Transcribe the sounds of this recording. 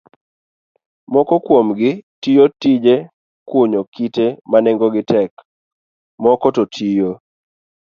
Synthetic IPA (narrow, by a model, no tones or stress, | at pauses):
mɔkɔkwomɡɪtijotid͡ʒe | kʊɲokitemanɛŋɡɔɡɪtɛk | mɔkɔtɔtʰijo